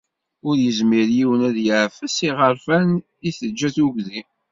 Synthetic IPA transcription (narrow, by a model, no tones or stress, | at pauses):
ʊɾjəzmiɾjiwənæðjəʕfəsiʁəɾfæn | iθəd͡ʒːæθuɡði